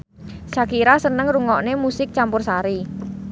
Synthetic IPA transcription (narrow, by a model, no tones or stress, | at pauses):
sakiɾasənəŋruŋɔʔnemusɪk̚t͡ʃampʊrsaɾi